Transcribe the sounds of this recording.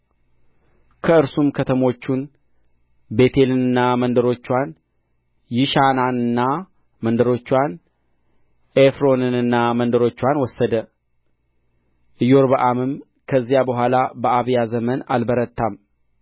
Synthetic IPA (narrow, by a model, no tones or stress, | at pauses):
kʰəɨɾsumkʰət̪ʰəmo̞t͡ʃːun | be̞t̪ʰe̞lɨnɨnːamənd̪əɾo̞t͡ʃːwan | jɪʃananɨnːa | mənd̪əɾo̞t͡ʃːwan | ʔefɾo̞nɨnɨnːamənd̪əɾo̞t͡ʃːwanwɔsːəd̪ə | ʔɨjo̞ɾbəʔamɨm | kʰəzːijabəɦʷalabəʔaβijazəmənalbəɾət̪ʰːam